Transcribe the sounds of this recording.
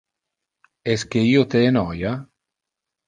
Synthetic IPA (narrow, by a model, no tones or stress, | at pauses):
eskeiot̪eenɔja